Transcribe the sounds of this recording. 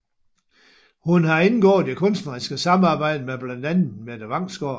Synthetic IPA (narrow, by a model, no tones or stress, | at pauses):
hunhɑ̈e̝nɡ̥ɔ̰ːð̩ˠd̥e̝kʰɔ̽nsd̥nɐʁisɡ̥əsɑ̈mɑ̈ːb̥ɑ̈ɪ̰d̥əmeb̥lænd̥ænð̩med̥æʋɑ̈ŋ̰sɡ̥ɒ